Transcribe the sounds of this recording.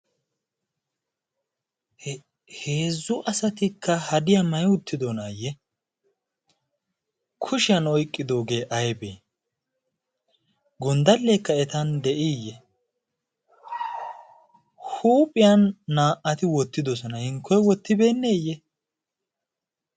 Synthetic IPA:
heːzːʊʔɐsɐt̪ɪkʰːɐhɐd̪ɪjamɐjʊt̪ːɪd̪ɔnaːjːɛ | kʰʊʃɪjɐnɔjkʼːɪd̪o̞ːɡe̞ːʔɐjbeː | ɡɔnd̪ɐlːekːɐɛt̪ɐnd̪ɛʔijːɛ | huːpʼɪjɐnːaːʔɐt̪ɪwɔt̪ːɪd̪ɔsɔnɐhɪŋkːɔjwɔt̪ːɪbe̞ːnːeːjɛ

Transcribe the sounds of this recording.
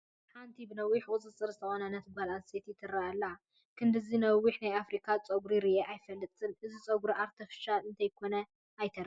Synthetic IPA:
ħant̪ʰibɨnɐwːiħkʼʊt͡sʼɨt͡sʼːɨɾzɨt̪ʰɐxonɐnɐt̪balanset̪jɪt̪ʰɨɾaʔalːɐ | kʰɨnd̪ɨzinɐwiħnajafɾikʰat͡sʼɐɡɾiɾɨʔeʔajfɐlːɨt͡s̪ʼɨlʔɨzit͡sʼɐɡɾiʔaɾt̪ʰɐfɨ̥ʃalɨnt̪ʰɐjkʰo̞nɐ | ajt̪ʰɐɾ

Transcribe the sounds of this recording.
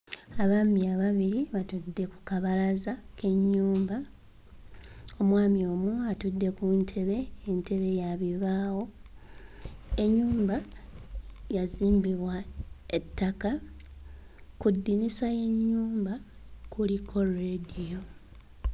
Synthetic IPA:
aβamiaβaβiɾiβatudːe̞ku̥kaβalazake̞ɲːuːmba | o̞mwaːmio̞ːmuatudːe̞kuntʰe̞βe̞ːnte̞βe̞jaβiβaːwo̞ | e̞ɲːuːmba | jaziːmbiβwae̞tːaka | kudːinisaje̞ɲːuːmbakʰulikʰo̞redijo̞

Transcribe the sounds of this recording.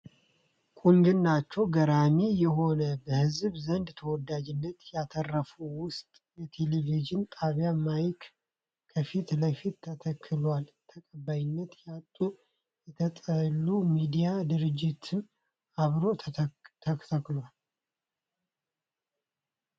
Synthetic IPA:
kʼuŋɡɨnːat͡ʃːɛwɡəɾamijɛɦo̞nəbəhɨzbzənd̪t̪ʰəwɔd̪ad͡ʒɪnːət̪jat̪ʰərːəfuwʊst̪ʼjɛt̪ʰe̞leviʒɪnt̪ʰʼaβjamajk | kʰəfit̪ləjfit̪ʰːət̪ʰəkʰːɨlwalt̪ʰəkʼəbajɪnːət̪jat̪ʼːu | jɛt̪ʰət̪ʼəlːumid̪ijad̪ɨɾɨd͡ʒːɪt̪ʰɨn | aβɾo̞t̪ʰəkʰt̪ʰəkːlwal

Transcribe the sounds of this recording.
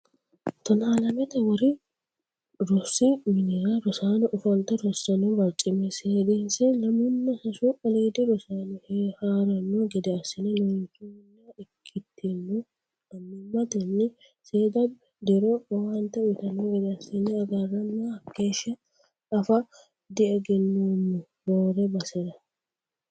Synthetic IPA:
t̪ɐnaːlɐmɛt̪ɐwɔɾɪ | ɾɔsːɪmɪnɪɾaɾɔsaːnɐʔʊfɐlt̪ɐɾɔsːɐnɔbɐɾt͡ʃʼɪmɛseːd̪ensɛlɐmʊnːɐsɐsuɐliːd̪ɛɾɔsaːnɪhehaːɾɐnːoɡɛd̪ɛɐsːɪnɛnɔɪnkuɪnːaɛkʰːɪt̪ʰːenːo | ɐnːɪmɐt̪ɐnːɪ | seːd̪ɐ | d̪ɛɾoːɐwant̪ɐwɪt̪ɐnːoɡɛd̪ɛɐsːɪnːɛɐɡɐrːɐnːaɐkːeːʃːɐ | ɐfɐ | d̪ɪɛɡɛnːonːʊ | boːɾɛbɐsɛd̪ɐ

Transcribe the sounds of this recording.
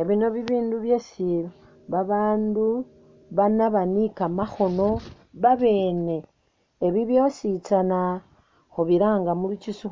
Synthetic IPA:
eβino̞βiβiːnduβjo̞silo | βaβaːndu | βanaβanikamaxo̞no̞ | βaβe̞ːne̞ː | βiβjo̞sit͡sana | xoβiɾaːŋɡamulucisu

